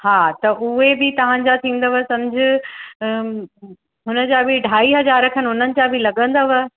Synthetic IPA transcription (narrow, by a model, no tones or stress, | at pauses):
haːt̪ɐʔʊɦebɪt̪ɐʋ̤ãɲd͡ʑat̪ʰĩːn̆d̪əʋɐsɐ̃md͡ʑʱɪ | ɦʊnə̆d͡ʑabʱɪɖʱaːiɦɐzaːɾəkʰənɦʊn̤ənɪ̆t͡ɕabʱɪlɐɠə̃nd̪əʋə